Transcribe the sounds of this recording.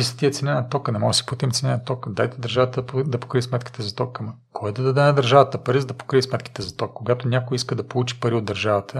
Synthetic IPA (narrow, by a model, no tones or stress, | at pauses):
isɐ̥t̪iət̪sɛnɛnɐt̪ɔkənɛmɔsi̥put̪imt̪sʲɛnɛnɐt̪ɔkəd̪ajt̪ɛd̪ɐɾʒavət̪əpd̪ɐpo̥kɾiismɛt̪kʲi̥t̪ɛzɐt̪ɔkːmɐ | kʰɔjd̪ɐd̪ɐd̪ɛnɐd̪ɐɾʒavət̪əpɐɾizɐd̪ɐpo̥kɾiismɛt̪kʲi̥t̪ɛzɐt̪ɔkkːoɡat̪ʊnʲakojiskəd̪ɐpolˠut͡ʃi̥pɐɾiod̪ːɐɾʒavət̪ʰə